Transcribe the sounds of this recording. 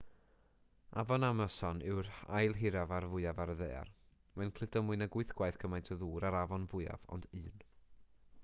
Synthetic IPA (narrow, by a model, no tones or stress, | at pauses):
a̰vɔnamasɔnɪwɾa̰jlˠɦɪɾavaɾvʊɨavaɾəðeːa̰r | mankʰl̥ɪdɔmʊɨnaɡʊɨθɡ̥wajθkʰəmajntʰəðuːɾaɾavɔnvʊɨa̰vɔ̰ndɨːn